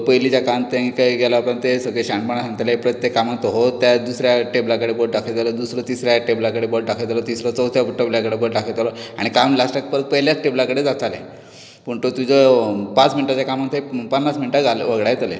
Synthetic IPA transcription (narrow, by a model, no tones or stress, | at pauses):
pəjlit͡ɕjakant̪eŋikaiɡɛlapənt̪esəɡɭeɕaɳpəɳ̃asãŋɡt̪elaɦepɾət̪jekːamant̪oɦot̪ːjad̪usɾjaʈeblakəɽeboʈ̚ɖakʰet̪aləd̪usɾət̪isɾjaʈeblakəɽeboɭʈɖakʰet̪alɔt̪isɾɔt͡səwsjafuʈːʈebljakəɽeboʈɖakʰet̪alɔa̰ɽ̃ikamlasʈak̚pəɾət̪̚pəɦljat͡sʈeblakəɽed͡zat͡salḛ | pəɳt̪ot̪ud͡zəpat͡sminʈat͡ɕakamant̪epənːasminiʈaɡʱalḛʋəɡɽajt̪alḛ